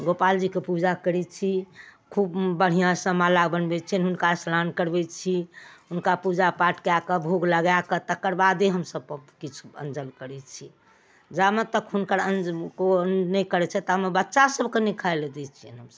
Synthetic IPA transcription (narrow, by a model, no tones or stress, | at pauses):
ɡopald͡ʒikepud͡ʒakəɾɛt͡ʃʰikʰubbəɽ̤ijãsə̃malabənbɛt͡ʃʰɛnɦunkaslankəɾbɛt͡ʃʰiɦunkapud͡ʒapaʈkeakəbʱoɡləɡakət̪əkːəɾbad̪eɦəmsəb̚pəkit͡ʃʰuə̰nd͡ʒəlkəɾɛt͡ʃʰi | d͡ʒamet̪əkɦunkəɾənd͡ʒkonɛkəɾɛt͡ʃʰɛt̪əəmebətːʃasəbʱkenikʰaeled̪ɛt͡ʃʰiənɦəmsəb̚